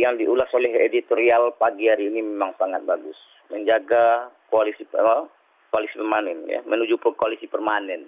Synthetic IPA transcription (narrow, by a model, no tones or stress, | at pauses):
jaŋdiʔulasolɛɦḛdit̪oɾialpaɡiaɾiːnimemaŋsaŋat̪̚baɡʊs | məɲd͡ʒaɡakoalisi | koalisipəmanɛnja̰mənud͡ʒupʊkoalisipɛrmanɛn